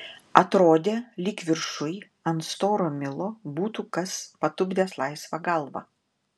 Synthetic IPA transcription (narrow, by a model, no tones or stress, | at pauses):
ɐt̪ɾoːd̪ʲeːlʲikʋʲɪɾʃʊɪ | ɐnt̪st̪oːɾomʲɪlˠoːbuːt̪uːkɐspɐt̪ʊbʲd̪ʲeːslˠɐɪsʋɐɡɐlˠʋɐ̰